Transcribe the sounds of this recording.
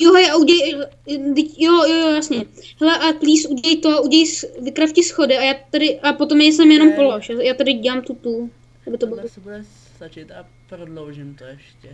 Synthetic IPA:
joɦojauɟɛlɛjadɪcjojojojasɲɛhɛlɛʔakliːsʔuɟɛlɛjt̪oauɟɛɛjsvɪkɾafcɪsxodɪajaːtt̪adɪʔapot̪omnɛjsɛmjɛno̞mpoloʃjajaːt̪adɪɟɛlaːmt̪ut̪u | ʔabɪt̪obɪsbudɛ | t̪at͡ʃɪt̪a | pɾodlowʒɪmt̪oɛʃccɛ

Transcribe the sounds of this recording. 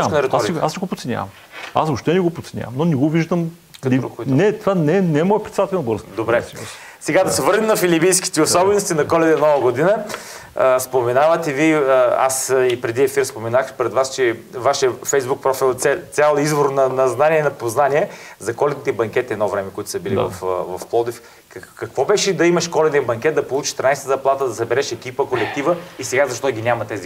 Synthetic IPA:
mnɾɛt̪aɾɛɡa̰slɛɡopot̪sɛnʲja̰vɐ̰m | a̰sopʃt̪ɛnɛɡopot̪sɛnʲja̰vɐmnonɛɡoviʒd̪əm | d̪ɛɾknɛt̪ovanɛnɛɛmɔjɛpɾɛt̪d̪at̪ɛlɛnbɤɾzd̪obɾɛso | sɛɡad̪ɐsɛvɤɾnʲɛmnɐfilipijski̥t̪ɛosɔbɛnost̪inɐkɔlɛd̪ɛnɔvɐɡod̪inə | spomɛnavɐt̪ɛvia̰sipɾɛd̪iɛfiɾspomɛnaxpɾɛd̪vast͡ʃɛvaʃəfɛjzbuk̚pɾɔfilˠt̪ɛt̪sʲalˠizvoɾnɐnɐznaniɛnɐpoznaniɛzɐkɔlɛd̪nit̪ɛbɐŋkʲɛt̪ɛd̪nɔvɾɛmɛkoʊit̪ʊ̥sɐbilivɐ̰fvɐfplˠɔd̪if | kɐkvɔbɛʃɛd̪ɐimɐʃkɔlɛnijɐbɐŋkʲɛt̪̚d̪ɐpolˠut͡ʃi̥ʃt̪ɾinajsɛt̪əzɐplˠat̪əd̪ɐsɐbɛɾɛʃɛkʲipəkolɛk̚t̪ivəisɛɡazɐʃt̪ɔɡʲinʲamɐt̪ɛzi

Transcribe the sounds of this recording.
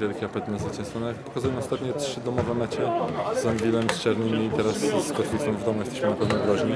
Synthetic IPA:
vʲjɛlkʲɛapɛt̪nɛzvɘt͡ɕɛ̃ñst̪fɔnɔjakpɔkazujɛmɔst̪at̪ɲɛtʂɘd̪ɔmɔvɛmɛt͡ɕɛzɔŋɡʲilɛmst͡ʂaɾnɘmʲiːt̪ɛɾasskɔt̪lʲit̪sɔ̃w̃vd̪ɔmujɛst̪ɛɕmɘnapɛvnɔɡɾɔʑɲi

